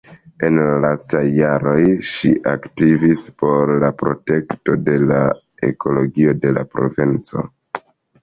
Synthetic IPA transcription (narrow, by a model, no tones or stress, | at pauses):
e̞nalastajːaɾo̞jʃḭʔaktivispo̞ɾlapɾo̞̰te̞kto̞de̞la | e̞̰kʰo̞lo̞ɡio̞de̞lapɾo̞̰vint͡so̞̰